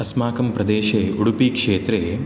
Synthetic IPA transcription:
ɐsmaːkɐmpɾɐd̪eːʃɐjeʔuɽupikʂeːt̪ɾɐje

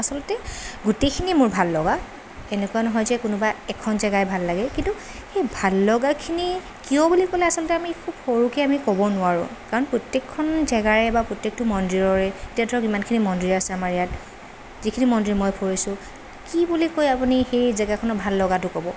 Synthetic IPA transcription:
asɔlɔtɛɡutekʰinimʊɹbʱalːɔɡa | ɛnɛkuwanɔɦɔjzɛkʊnʊbaɛkʰɔnzɛɡajbʱalːaɡɛkintu | xejbʱalːɔɡakʰini | kijɔbulikolɛasɔlɔtɛamikʰbpʰoɹukɛamikɔbɔnʊaɹʊ̰̃kaɹɔnpɹɔtjekʰːɔnzɛɡaɹɛbapɹotjek̚tʊmɔndɹiɹɔɹɛetiadʰʱɔɹɔkimankʰinimɔndɹiasɛamaɹɛjat̚ | zikʰinimɔndɹimɔjpʰoɹisʊ̃ | kibulikojapunixejzɛɡakʰɔnɔbʱalːɔɡatʊkɔbɔ

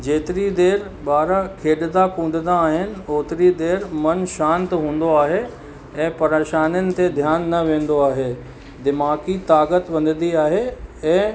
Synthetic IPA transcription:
d͡ʑeːt̪ɪɾid̪eːɾɓaːɾakʰeːɗd̪akũːn̆d̪ənaːɦɪnɪ̆oːt̪ɪɾid̪eːɾmɐnʃãːnt̪ɦũːn̆d̪oaːɦe | ɛ̃ːpɐɾeːʃaːnənɪ̆t̪ed̪ʱjaːnːɐʋẽːnd̪oaːɦe | d̪ɪmaːkit̪aːkət̪ʋɐ̃nd̪ənd̪iaːɦeɛ̃ː

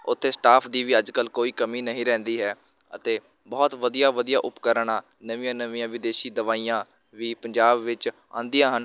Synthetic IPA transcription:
ʊt̪ʰːeːsʈaːpʰd̪iːʋiːəd͡ʒkəlkoːiːkəmiːnəɦĩːɾɛ̃ːnd̪iːɦɛː | ət̪eː | bɔːt̪ʋəd̪ijaːʋəd̪ijaːʔʊpkəɾɳãː | nəʋĩjãːnəʋiːãːʋɪd̪eːʃiːd̪əʋaːijãː | ʋiːpəɲd͡ʒaːbʋɪt͡ʃ | ã̰ːnd̪ijãːɦən

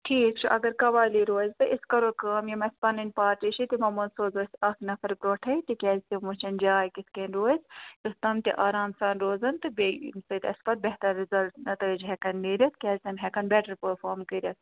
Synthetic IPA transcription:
ʈʰiːkt͡ʃʰuʔɐ̰ɡɐɾkɐʋaːliɾoːzʲt̪ɨʔɪskɐɾoːkaːmjɐmɐspɐnɐnpaːɾʈiʃit̪imɐmɐnsoːzoːsʲɐknɐfɐɾpɾoːʈʰɐit̪ikʲɛːzt̪imut͡ʃɐnd͡ʒaːjkiskeːnɾoːzt̪ust̪ɐmt̪ʲiʔaːɾaːmsaːnɾoːzɐnt̪ɨbsɨt̪ɐsbɐt̪̚bɛɦt̪ɐɾːɪzɐlʈnɐt̪ɐid͡ʒɦɛkɐnːiːɾʲɐt̪kʲɛːzʲt̪ɐmɦɛkɐnbɛːʈəɾpəɾfʰoːɾmkəɾʲɐt̪

